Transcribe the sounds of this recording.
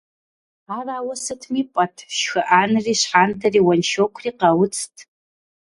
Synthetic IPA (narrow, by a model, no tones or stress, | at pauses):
aːraːwɐsɨtʰmiːpʼɐtʰʃxɨʔaːnɨriːɕħaːntʰɐriːwɐnʃokʷʰriːqɐwʊt͡sʰtʰ